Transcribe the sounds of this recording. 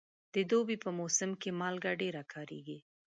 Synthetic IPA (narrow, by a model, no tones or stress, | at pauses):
d̪̥əd̪obipəmosəmkemɑlɡaɖeɾakʰɑɾḛɡi